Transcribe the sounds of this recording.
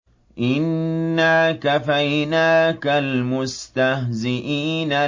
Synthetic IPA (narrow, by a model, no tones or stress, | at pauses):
ʔɪnːaːkafajnaːkalmʊst̪ahzɪʔiːna